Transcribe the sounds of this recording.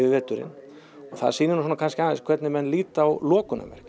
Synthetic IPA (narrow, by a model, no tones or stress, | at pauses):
vɪvɛːt̪ʏɾɪ̰n | ɔɣθa̰ðsiːnɪnsɔnakʰanscɪaːnaɪskʰv̥ɛt̪nɪmɛnːliːt̪aawlɔːkʏna̰mɛ̰ɾ̥k